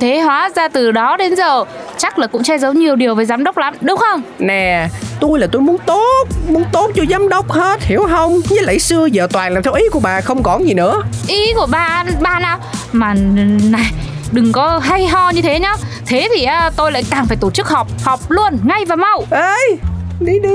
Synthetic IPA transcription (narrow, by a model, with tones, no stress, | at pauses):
t̪ʰe˨˦hwaː˨˦zaː˧t̪ɨ˨˩ɗɔ˨˦ɗe˨˦nzəː˨˩ | t͡ɕa˦˥k̚laː˨˩kʊ̰˧˥ŋ͡mt͡ɕɛ˧zə˨˦wɲi˨˩əwɗi˨˩əwveː˨˩zaː˨˦mɗə˦˥wk͡p̚la˨˦mɗɨ˨˦ŋ͡mxə˧wŋ͡mnɛ˨˩t̪o˧jlaː˨˩t̪o˧jmu˨˦ənt̪o˦˥t̚mu˨˧˦ənt̪o˦˥t̚t͡ɕo˧jzaː˨˦mɗə˦˥wk͡p̚he˦˥t̚hi˨˦əwɦə˧wŋ͡mɲɨ˧˦˥laː˨˦sɨ˧əzəː˧˨˩t̪waː˨˩nlaː˨˩t̪ʰɛ˧wʔi˨˦ku˧˩əɓaː˨˩xə˧wŋ͡mkɔ˨˦zi˨˩nɨ̰˧˥əʔi˨˦ku˧˩əɓaː˧˩ɓaː˧naː˨˩wmaː˨˩˨na˨˩jɗɨ˨˩ŋkɔ˨˦ɦa˧jɦɔ˧ɲɨ˧t̪ʰe˨˦ɲɔ˨˦t̪ʰe˨˦t̪ʰi˨˩ʔaː˨˦t̪o˧jla̰ː˧˨jkaː˨˩ŋfaː˧˩jt̪o˧˩t͡ɕɨ˦˥k̚hɔ˨˩wk͡p̚hɔ˨˩wk͡p̚lu˧ənŋa˧jvaː˨˩ma˧˩wʔə˧jɗi˧ɗɨ˨